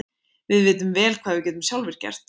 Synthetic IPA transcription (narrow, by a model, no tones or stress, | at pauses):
vɪðvɪːt̪ʏmvɛːlkʰvaːðvɪɾcɛːt̪̬ʏmsjawlvɪɾ̥cɛ̰r̥t̪